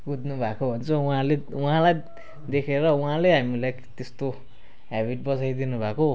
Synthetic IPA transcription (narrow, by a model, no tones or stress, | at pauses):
ɡud̪nubʱakobʱʌnt͡sʰʌwɦãleuɦãlaj | d̪ekʰeɾʌũãleɦamilaj | t̪est̪o | ɦabiʈ̚bʌsajd̪inubʱako